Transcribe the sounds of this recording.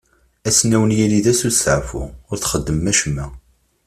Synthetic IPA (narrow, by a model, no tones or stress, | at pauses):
æsnæwənjæliðæsusəʕfʊ̰ʊɾθχəd̪ːəmːæʃmːæ